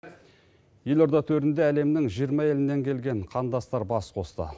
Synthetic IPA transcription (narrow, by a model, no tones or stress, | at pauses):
je̞lo̞ɾd̪ɑt̪ʰɵɾɪnd̪eæle̞mnɪŋʒijəɾmɑje̞lɪnːe̞ŋkʲʰe̞lɡʲe̞ɴqʰɑnd̪ɑst̪ɑɾbɑsqʰo̞st̪ə̰